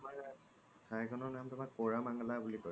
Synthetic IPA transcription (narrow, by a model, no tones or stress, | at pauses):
tma | tʰajkʰɔnɔɹnamtʊmak̚poɹamaŋɔlabulikɔ